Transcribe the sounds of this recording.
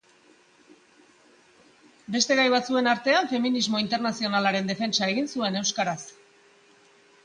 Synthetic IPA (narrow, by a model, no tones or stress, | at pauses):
be̞st̪e̞ɣajβat͡sue̞naɾt̪e̞aɱfe̞minizmo̞int̪e̞ɾnasio̞nalaɾe̞nd̪e̞fe̞nt͡ʃae̞ɣinsue̞ne̞wskaɾas